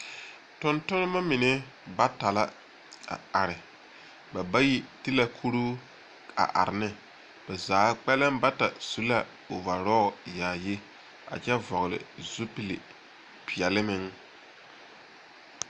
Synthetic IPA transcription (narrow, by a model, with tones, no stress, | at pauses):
tʊ˦ntʊ˦n˦ma˦mɪ˨nɛ˦ | ba˦ta˨la˦ | a̰˨a˨ɾɪ˨ | ba˨ba˦ji˦ti˦la˦kʰu˦ɾuː˦ | a̰˨ʔa̰˨ɾɪ˨nɪ˦ | b̥a˨zaː˨˦k͡pɛ˦lɪ˦mba˦ta˨su˦la˦ | o˨va˨ɾɔː˦˨jaː˨ji˦ | a̰˨t͡ʃɛ˦vɔ˨ɣlɪ̰˨zu˦pi˨lɪ̰˨ | pi˨ɛ˨lɪ˦mɪ˦ŋ